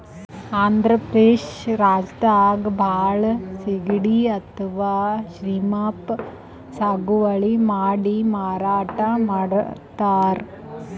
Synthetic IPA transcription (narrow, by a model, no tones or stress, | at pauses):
aːnd̪ɾɐpeːʃɾaːd͡ʒt̪aːɡbʱaːɭsiɡɽiɐt̪ʰɐʋaːʃɾiːmaːp | saːɡuʋɐɭimaːɽimaːɾaːʈamaːɽt̪aːɾ